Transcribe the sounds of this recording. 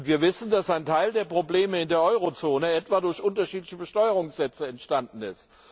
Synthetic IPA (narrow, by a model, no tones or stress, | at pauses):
ntv̥iːɐvɪsn̩dasaɪntʰaɪldeːɐpʁ̥obleːməɪndeːɐʔɔʏʁot͡soːnəɛtv̥aːdʊɐçʔʊntɐʃiːtlɪçəbəʃtɔʏəʁ̞ʊŋsz̥ɛt͡səɛntʃtandn̩ɪ̰st